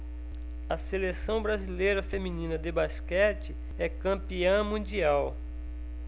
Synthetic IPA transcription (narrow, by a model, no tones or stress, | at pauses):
ɐselesɐ̃w̃bɾazilejɾɐfemĩnĩnɐd̪ebaskɛt͡ʃɪ | ɛkɐ̃piɐ̃mũd͡ʒiaw